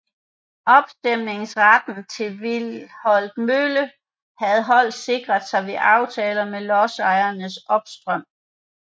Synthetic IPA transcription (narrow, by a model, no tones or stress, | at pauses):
ʔɒ̽b̥sd̥em̰ne̝ŋsʁad̥n̩t͡sʰe̝ʋilhɒ̽l̰d̥mølə | hæð̞̩ˠɦɒ̽l̰d̥se̝ɡ̥ʁɐðˠsɑ̈ɪʋeʔɑ̈ʊt͡sʰɛːlɐmelɒsɑ̈ɪɐnəsʔɒ̽b̥sd̥ʁɶm̰